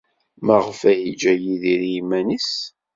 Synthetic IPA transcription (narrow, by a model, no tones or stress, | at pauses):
mæʁfæjid͡ʒæjiðiɾimænis